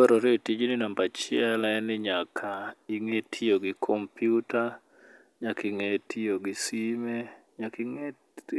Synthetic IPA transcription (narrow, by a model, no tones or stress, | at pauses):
ɔɾɔɾetid͡ʒnɪnambat͡ʃɪɛlɛnɪɲakʰaiŋetʰioɡɪkʰɔmpjuta | ɲakiŋetʰioɡɪsimeɲakiŋe